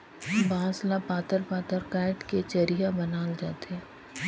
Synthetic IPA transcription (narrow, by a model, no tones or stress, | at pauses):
bãːslapaːt̪əɾpaːt̪əɾkaːɪʈket͡ʃɐɾiɦabɐnaːld͡ʒaːt̪eɦɛː